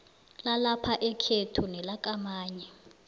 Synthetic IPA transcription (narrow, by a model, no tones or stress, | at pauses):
lalapʰaʔɛkʰetʰunɛlak̬ʼamaːɲɛ